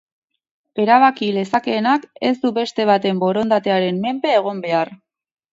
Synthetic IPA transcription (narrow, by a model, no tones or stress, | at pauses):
e̞ɾaβ̞akile̞sake̞ːnake̞zd̪uβe̞st̪e̞β̞at̪e̞mbo̞ɾo̞nd̪at̪e̞aɾe̞mːe̞mpe̞ːɣ̞o̞mbe̞ar